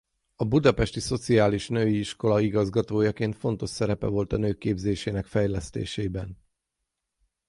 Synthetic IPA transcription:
ɒbud̪ɒpɛʃt̪iso̞t̪siaːliʃnøːiiʃko̞lɒiɡɒzɡɒt̪oːjɒkeːnt̪fo̞nt̪o̞ʃsɛɾɛpɛ̰vo̞lt̪ɒnøːkːeːbzeːʃeːnɛkfɛjlɛst̪ḛːʃɛːibɛn

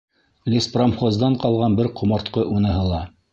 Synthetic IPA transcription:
lʲespramχozd̪ɑɴqɑlˠʁɑnbɘɾqŏmɑɾt̪qɤʔunɤ̆ɦɤ̆lˠɑ

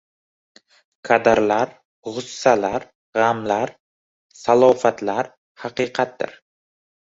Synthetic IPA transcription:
kʰad̪aɾlaɾ | ʁʊsːalaɾ | ʁamlaɾ | salˠɒfat̪laɾ | haqɨːqʰɑt̪̚d̪ɪ̰ɾ

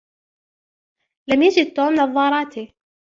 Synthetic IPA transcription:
lamjad͡ʒɪd̪̚t̪oːmnɑðˤːɑːɾˤɑːt̪i

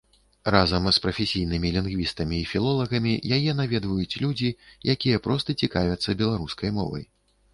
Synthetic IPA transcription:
razɐmspɾɐfʲesʲijnɨmʲilʲinɣvʲist̪ɐmʲiːfʲilˠɔlˠɐɣɐmʲijajɛnavʲɛd̪vɐjut͡sʲlʲud͡zʲijakʲijɐpɾɔst̪ɐt͡sʲikavʲɐt̪sːɐbʲɛlˠaɾuskɐjmɔ̰vɐ̰j

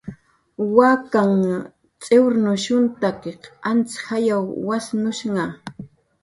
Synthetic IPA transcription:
wakaŋ | t͡sʼewɾnʊʃʊnt̪akeqant͡sxajawːasnʊʃŋɑ

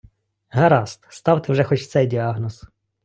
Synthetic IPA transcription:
ɦɐɾɑst̪st̪ɑwt̪ɪwʒɛxɔt͡ʃt̪sɛjdʲiɑɦnɔs

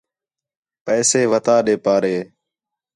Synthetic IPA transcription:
pɛːseːʋət̪aːɗeːpaːɾeː

